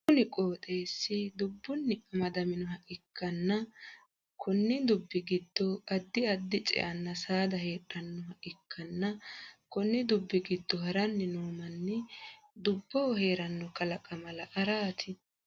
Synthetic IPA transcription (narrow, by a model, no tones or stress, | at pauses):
kʊnɪkʼoːt̪ʼe̞ːsːɪd̪ʊbːʊnːɪʔɐmɐd̪ɐmɪnɔɦɐʔɪkʰːɐnːɐ | kʰɔnːɪd̪ʊbːɪɡɪd̪ːɔɐd̪ːɪɐd̪ːɪt͡ʃʼɛ̰ʔɐnːɐsaːd̪ɐhe̞ːᶑːɐnːɔhɐʔɪkʰːɐnːɐkɔnːɪd̪ʊbːɪɡɪd̪ːɔhɐɾɐnːɪnoːmɐnːɛ | d̪ʊbːɔwɔhe̞ːɾɐnːɔkɐlɐkʼɐmɐlɐʔɐɾaːt̪ʰɪ